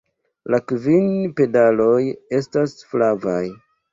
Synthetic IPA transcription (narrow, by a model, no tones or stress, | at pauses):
lakvinpe̞dalo̞je̞stasflavaj